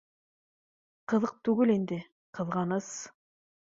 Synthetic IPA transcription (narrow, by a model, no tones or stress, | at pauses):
qɤ̆ðɤq̚t̪ʉɡɘlind̪ɘ | qɤ̆ðʁɑnɤs